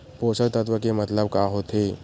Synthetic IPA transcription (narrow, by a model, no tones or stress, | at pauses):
posəɾt̪ət̪ʋəkemət̪ləb̚kaɦot̪ʰe